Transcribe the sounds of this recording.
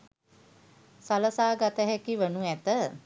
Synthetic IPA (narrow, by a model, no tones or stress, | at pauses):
saləsaːɡat̪əɦɛkiʋənuæt̪ə